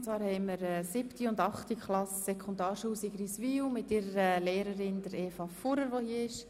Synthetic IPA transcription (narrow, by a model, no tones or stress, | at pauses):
t͡svɑːɾhɛɪməɾɛsɪptiʊndɑχtikχlɑsːɛkʰʊndɑːɾʃuːsiɡɾisʋiumɪtɪɾəɾəleːɾəɾɪndəɾeːfɑfuɾəɾʋohiəɪʃ